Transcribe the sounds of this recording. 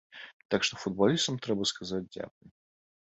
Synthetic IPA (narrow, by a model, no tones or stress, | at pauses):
t̪akʂt̪ɔfud̪̚balʲist̪ɐmt̪ɾɛbɐskazad͡z̚ʲd͡zʲa̰knʲɐ